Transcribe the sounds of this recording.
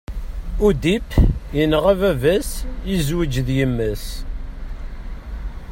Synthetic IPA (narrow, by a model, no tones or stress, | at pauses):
ud̪ipjənʁævævæsjizwəd͡ʒðjəmːæs